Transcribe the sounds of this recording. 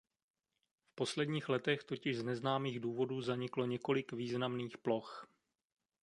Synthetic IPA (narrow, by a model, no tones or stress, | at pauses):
fpo̞slɛdɲiːxlɛt̪ɛxt̪o̞cɪʒznɛznaːmiːɣduːvo̞duːzaɲɪklo̞ɲɛko̞lɪkviːznamniːxplo̞x